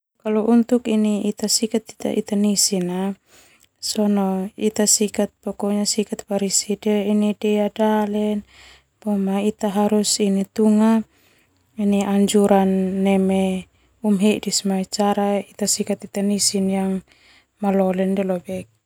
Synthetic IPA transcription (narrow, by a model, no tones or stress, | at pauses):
kaluʔunt̪ukiniːt̪asikat̪i̥t̪a̰ʔit̪anisina | sɔnɔit̪asikat̪̚pɔkɔɲasikat̪̚paɾisidɛinidɛadalɛn | bɔmait̪aɦaɾusinit̪uŋa | iniaɲd͡ʒuɾanːɛmɛ | umɦɛʔdismait͡ʃaɾait̪asikat̪it̪anisinjaŋ | malɔlɛndɛlɔbɛk̚